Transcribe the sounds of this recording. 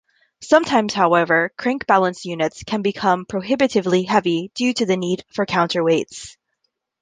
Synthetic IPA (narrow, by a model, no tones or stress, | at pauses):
sʌ̃mtʰãɪ̃mz̥haʊɛvə˞kʰɹ̥ɪ̃ŋkb̥ælˠə̃nsjʉnɨtskʰɨ̃nbɨkʰʌ̃mpʰɹ̥oʊɦɪbɨɾɨvliɦɛvid̥ʉɾɨðɨnid̥fə˞kʰãʊ̃ntʰə˞weɪts